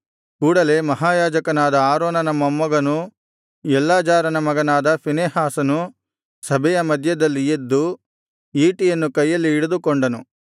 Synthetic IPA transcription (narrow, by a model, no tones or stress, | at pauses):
kuːɽɐle̞mɐɦaːjaːd͡ʒɐkɐnaːd̪ɐaːɾoːnɐnɐmɐmːɐɡɐnu | jɛlːaːd͡ʒaːɾɐnɐmɐɡɐnaːd̪ɐpineːhaːsɐnu | sɐbʱɛjɐmɐd̪ʱjɐd̪ɐlːijed̪ːu | iːʈijɐnːukɐjːɐlːiːɽud̪ukoɳɖɐnu